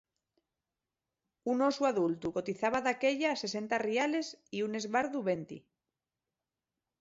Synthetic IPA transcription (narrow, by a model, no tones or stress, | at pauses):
unosuaðult̪ukot̪iθaβaðake̞ʎaːse̞s̬e̞nt̪ariale̞siune̞zβaɾðuβe̞nt̪ḭ